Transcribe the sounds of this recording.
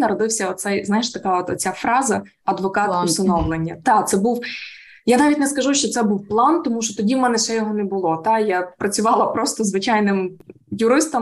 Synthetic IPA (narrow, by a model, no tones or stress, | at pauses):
nɐɾɔd̪ɪwsʲɐɔt̪sɛjznɑjɪʃt̪ɐkɑɔt̪ɔtt͡sʲafɾɑzɐ | ɐd̪ʋɔkɑt̪ʊsɐnɔwlˠenʲːɐt̪ɑt̪sɛbuw | janɑʋʲitʲnɛskɐʒuʃt͡ʃɔt̪sɛbuwplˠɑnt̪ɔmuʃt͡ʃɔt̪ɔdʲiwmɛnɛsɛjɔɦɔnɛbʊlˠɔt̪ɑjapɾɐt͡sʲʊʋɑlˠɐpɾɔst̪ɔzʋɪt͡ʃajnɪm | jʊɾɪst̪ɐm